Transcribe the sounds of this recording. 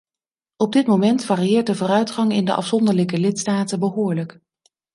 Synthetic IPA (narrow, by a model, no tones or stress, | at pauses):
ɔb̚dɪtmowmɛntfaːriɪːɹt̚dəvʊːɾœɥtχɑŋɪndə̰ʔɑ̰fsɔndəɹləkəlɪtstaːtəbəɦʊːɹlək